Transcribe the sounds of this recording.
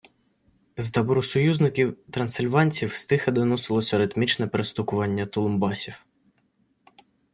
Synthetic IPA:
zt̪ɐbɔɾʊsɔjuznɪkʲiwt̪ɾɐnsɪlʲʋɑnʲt͡sʲiwst̪ɪxɐd̪ɔnɔsɪlˠɔsʲɐɾɪt̪mʲit͡ʃnɛpeɾest̪ʊkʊʋɑnʲːɐt̪ɔlˠʊmbɑsʲiw

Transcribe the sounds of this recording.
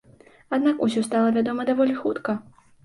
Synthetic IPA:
ad̪nakusʲɔst̪alˠɐvʲad̪ɔmɐd̪avɔlʲixut̪kɐ

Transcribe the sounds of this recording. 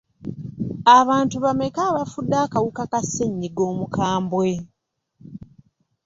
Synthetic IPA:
aβaːntuβamekaːβafudːaːkawukakasːeɲːiɡo̞ːmukʰaːmbwe̞

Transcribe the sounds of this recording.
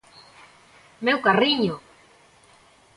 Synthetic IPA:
mewkariɲo

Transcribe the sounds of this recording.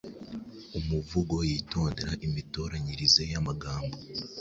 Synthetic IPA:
umuvuɡo̞jiːto̞ːndeɾaʔimitoːɾaɲiɾizejamaɡaːmbo

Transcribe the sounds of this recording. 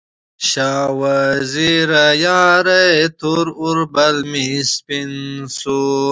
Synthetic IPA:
ɕaːwaziɾɐjaːɾet̪ʰuɾuɾbɐlmispinsu

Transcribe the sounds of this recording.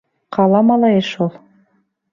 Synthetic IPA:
qʰɑlˠɑmɑlˠɑjɤʃulˠ

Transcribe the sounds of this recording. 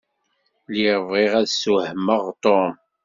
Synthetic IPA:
liɾəvʁiʁæðsuhməʁt̪ˤom

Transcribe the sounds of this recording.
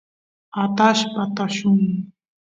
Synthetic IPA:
at̪aʃpat̪aʃʊŋ

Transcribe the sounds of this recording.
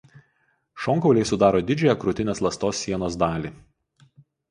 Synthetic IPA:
ʃɔːŋkɔʊlʲɛɪsʊd̪ɑːɾoːd̪ʲɪd͡ʒʲʊjɛkɾʊt̪ʲɪnʲeːslˠɐst̪oːsʲːiɛnoːs̬d̪ɑːlʲiː

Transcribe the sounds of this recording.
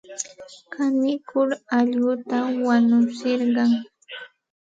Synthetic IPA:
kʰanɪkʊɾaʎɢʊt̪awanʊsɪɾɢɑŋ

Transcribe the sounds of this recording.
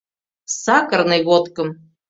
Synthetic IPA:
sɑkərnɨɣot̪kɤ̆m

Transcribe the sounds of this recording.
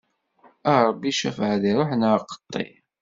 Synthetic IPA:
əɾˤbːiʃæ̰fʕæðiɾˤoħnəɾqə̥t̪ˤːḭ

